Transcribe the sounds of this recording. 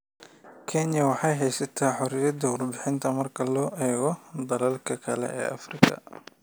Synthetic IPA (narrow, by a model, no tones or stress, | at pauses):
kʰɛnjɐwɑħɑjɦɛjsɐt̪ʰaːħʊɾɪjɐd̪ɐwʊrbɪħɪnt̪ʰɐmɐrkʰɐlɔːʔɛːɣɔd̪ɐlɐlkʰɐkʰɐlɛ̰ʔɛ̰ːʔɐfrɪkʰɐ̰